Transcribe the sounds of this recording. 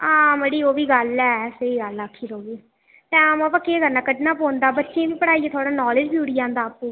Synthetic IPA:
ãːmeɽiːoːʋiːɡəlɛːseiːɡəlakʰːiːɾoːɡiː | t̪ɛ̃ːaməpaːkeːɡəɾnãːkəd̪ːnãːpõːnd̪aːbətːʃẽːʋiːpəɽaːiɛːt̪ʰwaːɽaːnɔːlɪd͡ʒbjuːɽiːãːnd̪aːpũː

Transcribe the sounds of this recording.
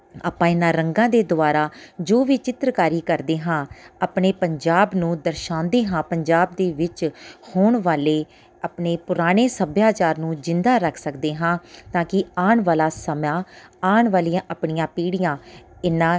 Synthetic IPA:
a̰ːpãːɪnãːɾəŋɡãːd̪eːd̪ʊaːɾaːd͡ʒoːʋiːt͡ʃɪt̪ɾəkaːɾiːkəɾd̪eːɦãːaːpɳeːpəɲd͡ʒaːbnũːd̪əɾʃãːnd̪eːɦãːpəɲd͡ʒaːb̚d̪eːʋɪt͡ʃhoːɳʋaːleː | apɳeːpʊɾaːɽ̃eːsəbjaːt͡ʃaːɾnũːd͡ʒɪnd̪aːɾəkʰsəkd̪eːɦãːt̪ãːkɪaːɳʋaːlaːsəmãːaːɳʋaːliːãːʔəpɳijãːpiːɽɪjãːɪnãː

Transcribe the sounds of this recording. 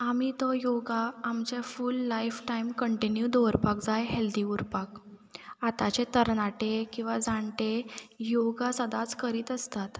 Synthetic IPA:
amit̪ɔjoɡaːmt͡ɕefulːaifʈaimkəɳʈinjud̪ɔʋɾpakd͡zajɦeld̪iuɾpak | at̪at͡ɕet̪əɾnaʈekĩw̃ʋad͡zãɳʈejoɡasəd̪at͡skəɾiːt̪əst̪at̪

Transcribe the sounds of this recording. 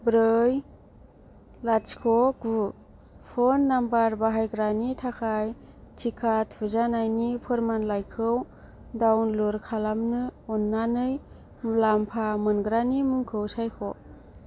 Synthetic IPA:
bɾɯj | lat͡ʃkʰɔku | pʰɔnːambaɾbaɦajɡɾanitʰakʰaj | tʰikʰatʰuzanajnipʰɯɾmanlajkʰɯw | dawnluɾkʰalamnɯɔnːanɯj | lampʰamɯnɡɾanimɯŋkʰɯwsajkʰɔ

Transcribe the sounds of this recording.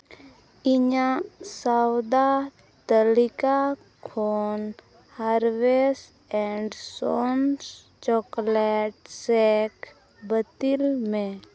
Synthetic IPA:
ɪɲãsawd̪a | t̪əlika | kʰon | haɾʋes | ɛɳɖsons | t͡ʃɔklɛʈ̚sɛk | bət̪ilmẽ

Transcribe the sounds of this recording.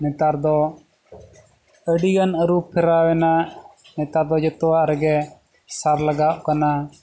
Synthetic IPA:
nɛt̪aɾd̪ɔ | əɽiɡanɐɾupʰːɛɾaːwɛna | nɛt̪aɾd̪ɔd͡ʒət̪waɾɛɡɛ | saɾlɐɡaʔkana

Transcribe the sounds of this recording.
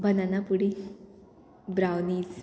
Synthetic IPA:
bʱənanapuɽi | bɾawniːt͡s

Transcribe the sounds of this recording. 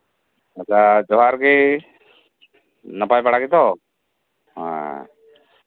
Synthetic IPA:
at͡ʃad͡ʒɔɦaɾki | nəpajpaɽakit̪ɔ | ɦã̰

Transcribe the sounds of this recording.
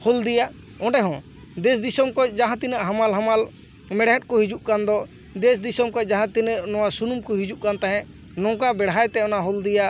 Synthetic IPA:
hɔld̪ijaʔ | ɔ̃ɖɛɦɔ̃ | d̪ɛsd̪isɔmkɔd͡ʒaɦãt̪inəʔɦamalɦamal | mɛɽɦɛt̪̚kɔɦid͡ʒuʔkand̪ɔ | d̪ɛsd̪isɔmkɔc̚ˀd͡ʒaɦãt̪inəʔnɔwasunumkɔɦid͡ʒuʔkant̪aɦɛ̃ʔ | nɔ̃ŋkabɛɽɦajt̪ɛɔnaɦɔld̪ijaʔ

